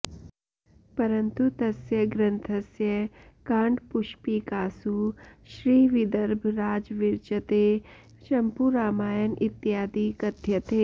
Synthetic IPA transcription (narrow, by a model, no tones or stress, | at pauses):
pɐɾɐnt̪ut̪ɐsjɐɡɾɐnt̪ʰɐsjɐkãːɳɖpuʃpikaːsuʃɾiːʋid̪ɐɾbʱɾaːd͡ʒʋiɾt͡ʃɐt̪e | ʃɐmpuɾaːmaːjənit̪jaːd̪ikɐd̪ʱjɐt̪eː